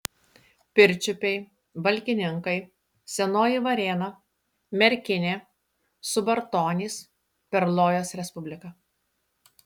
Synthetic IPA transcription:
pʲɪɾʲˑt͡ʃʲʊpʲɛɪ | ʋɐlʲkʲɪnʲɪŋkɐɪ | sʲɛnoːjiʋɐɾʲeːnɐ | mʲɛɾʲkʲɪnʲeː | sʊbɐɾt̪oːnʲiːs | pʲɛɾlˠoːjoːsɾʲɛspʊbʲlʲɪkɐ

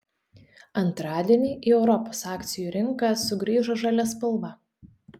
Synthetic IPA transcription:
ɐnt̪ɾɑːd̪ʲiɛnʲiːʔiːɛʊɾɔposɑːkʲt̪sʲɪjuːɾʲɪŋˑkɑˑsʊɡɾʲiːʒoʒɑlʲɛspɐlˠʋɐ

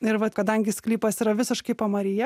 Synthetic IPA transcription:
ɪɾʋɐt̪kɐd̪ɐŋʲɡʲɪsklʲiːpɐsɪɾɐʋʲɪsʲɪʃkɐɪpɐmɐɾʲɪjɛ

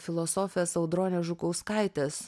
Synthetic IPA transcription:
fʲɪlˠosoːfʲɪjɛsɐʊd̪ɾoːnʲɛːʒʊkɐʊskɐˑɪt̪ʲeːs

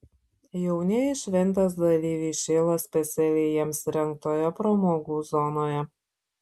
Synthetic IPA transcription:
jɛʊnʲɛɪʃʲʋʲɛnʲt̪ɐs̬d̪ɐlʲiːʋʲiːʃʲeːlˠɐsʲpʲɛt̪sʲɛlʲejɛmsɾʲɛŋk̚t̪oːjɛpɾomoːɡuːzɔnoːjɛ

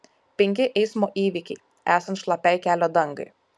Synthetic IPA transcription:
pʲɛŋʲkʲɪʔɛɪsmoːʔiːʋʲikʲɛɪ | æːsɐnt̪ʃlˠɐpʲæɪkʲæːlʲoːd̪ɐŋɡɐ̰ɪ

